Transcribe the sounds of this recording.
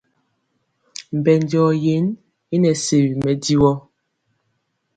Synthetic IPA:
m̩˨bɛ˨n˨dɔː˨je˨˦n | i˦nɛ˨se˨wi˨mɛ˨di˦wɔ˦

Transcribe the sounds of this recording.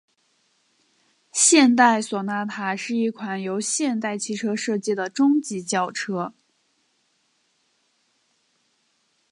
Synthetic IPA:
ɕjɛ˥˧nt̪̬a˥˩ɪswɔ˨˩na˥˩t̪ʰa˨˧˩ʂɻ̩˥˧i˥˩kʰwa˨˩njo˧˥ʊɕjɛ˥˧nt̪a˥˩ɪt͡ɕʰi˧˥ʈ͡ʂʰɤ˥ʂɤ˥˧t͡ɕi˥˩d̪ə˩ʈ͡ʂʊ˥ŋt͡ɕi˧˥t͡ɕjɑ˥˩ʊʈ͡ʂʰɤ˥

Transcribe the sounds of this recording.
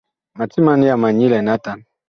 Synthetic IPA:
ma˨ti˦ma˦ni˦ja˨ma˨ɲi˦lɛ˨na˦ta˨n

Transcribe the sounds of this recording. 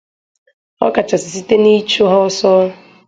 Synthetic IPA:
ɔ̰˦ka˨t͡ʃa˨si˨si˦te˦ni˦t͡ʃo˦ɦɔ˦sɔ˦

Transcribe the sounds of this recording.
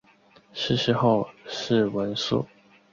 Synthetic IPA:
ʂɻ̩˥˩ʂɻ̩˧˥xo˥˧ʊʂɻ̩˥˩wə˧˥nsṵ˥˩

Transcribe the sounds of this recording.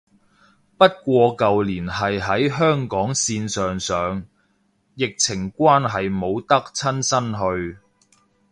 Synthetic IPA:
pɐ˥t̚kʷɔː˧kɐ˨wliː˨˩nɦɐ˨jɦɐ˨˥jɦœː˥ŋkɔː˨˥ŋsiː˧nsœː˨ŋsœː˨ŋ | jɪ˨k̚t͡sʰɪ˨˩ŋkʷaː˥nɦɐ˨jmo˨˧wt̪ɐ˥k̚t͡sʰɐ˥nsɐ˥nɦɵ˧ɥ

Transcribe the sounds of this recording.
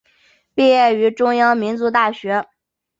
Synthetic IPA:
pi˥˧jɛ˥˩y˧˥ʈ͡ʂʊ˥ŋjɑ˥ŋmi˧˥nt͡su˧˥t̪a˥˩ɕɥɛ˧˥

